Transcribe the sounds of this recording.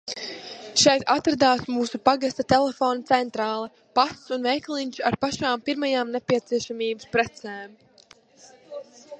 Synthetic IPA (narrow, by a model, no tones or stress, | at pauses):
ʃɛjt̪at̪ɾad̪aːsmuːsupaɡast̪at̪elɛfoːnt̪sɛnt̪ɾaːlˠɛ | passunvɛjklˠiɲʲt͡ʃaɾpaʃaːmpiɾmajaːmnepʲiɛt̪siɛʃamiːbaspɾɛt̪sɛːm